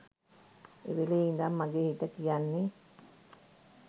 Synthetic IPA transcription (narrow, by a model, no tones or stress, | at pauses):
ḛʋeleind̪amːaɡehit̪ːəkijanːi